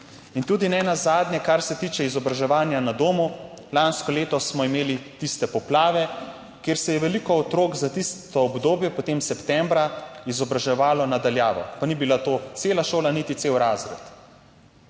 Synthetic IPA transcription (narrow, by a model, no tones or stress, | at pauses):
int̪uːd̪inɛnazaːd̪njɛkaɾsɛt̪iːt͡ʃɛizɔbɾaʒɛʋaːnjanad̪oːmu | lanskɔleːt̪ɔsmɔimeːlit̪ist̪ɛpɔplaːʋɛ | keːɾsɛjɛʋɛlikɔɔt̪ɾoːɡzat̪ist̪ɔːbd̪oːbjɛpɔt̪emsɛpt̪ɛmbɾaizɔbɾaʒɛʋaːlɔnad̪aljaːʋɔ̰panibilat̪ot̪seːlaʃoːlanit̪it̪sewɾaːzɾɛt̪